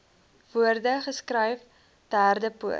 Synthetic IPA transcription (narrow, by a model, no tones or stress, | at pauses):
v̥uərdəχəskrəjf | d̥æːrdəpuə̰